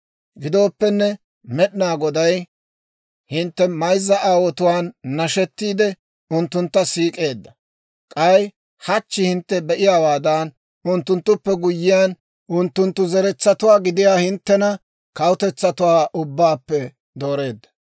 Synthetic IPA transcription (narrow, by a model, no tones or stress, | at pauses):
ɡɪd̪o̞ːpːɛnːɛ | mɛɗɪnaːɡɔd̪ɐj | hɪnt̪ːɛmɐjzːɐʔaːwɔt̪ʊwaːnːɐʃɛt̪ːiːd̪ɛ | ʊnt̪ːʊnt̪ːɐsiːkʼe̞ːd̪ːɐ | kʼɐj | hɐt͡ʃːɪhɪnt̪ːɛbɛʔɪjaːwaːd̪aːn | ʊnt̪ːʊnt̪ːʊpːɛɡʊjːɪjaːn | ʔʊnt̪ːʊnt̪ːʊzɛɾɛt͡sːɐt̪ʊwaːɡɪd̪ɪjaːhɪnt̪ːɛnɐ | kɐwʊt̪ɛt͡sːɐt̪ʊwaːʔʊbːaːpːɛ | d̪o̞ːɾe̞ːd̪ːɐ̥